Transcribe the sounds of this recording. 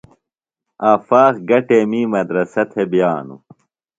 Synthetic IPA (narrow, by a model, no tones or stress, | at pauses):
aːfaːxɡɐʈeːmiːmɐd̪ɾɐsɐt̪ʰebjaːnṵ